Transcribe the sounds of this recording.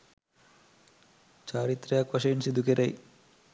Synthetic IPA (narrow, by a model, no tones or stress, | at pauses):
t͡ɕaːɾit̪ːɾɐjaːkʋɐʂɐjunsid̪ukeɾɐj